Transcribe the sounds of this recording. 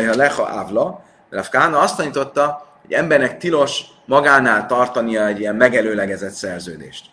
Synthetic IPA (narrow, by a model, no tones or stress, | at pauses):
jɦɒlɛχɒ̰ʔa̰vlɒ | rafkaːnɒɒst̪ɒɲit̪o̞t̪ːɒhoɟɛmbɛrnɛkt̪ilo̞ʃ | mɒɡaːnaːlt̪ɒrt̪ɒnijɒɛɟijɛmmɛɡɛløːlɛɡɛzɛt̪sɛrzøːd̪ḛːʃt̪